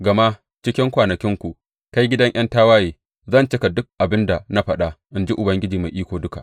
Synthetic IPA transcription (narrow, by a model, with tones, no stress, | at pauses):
ɡɐ˨ma˦ | t͡ʃɪ˦kʲɪ˦ŋkʷaː˨nɐ˨kʲɪ˦ŋkʷu˨ | ka˦jɡʲɪ˦dɐ˦ŋʔɐ˦ntaː˦waː˦jiː˨ | zɐ˦˨nt͡ʃɪ˦ka˨dʊ˦k̚ʔa˨bɪ˦nda˨na˦ɸɐ˦ɗa˦ʔɪ˦nd͡ʒi˦ʔʊ˨bɐ˦ŋɡʲɪ˦d͡ʒiː˨ma˨jʔiː˦kʷoː˨dʊ˦ka̰˨ʔ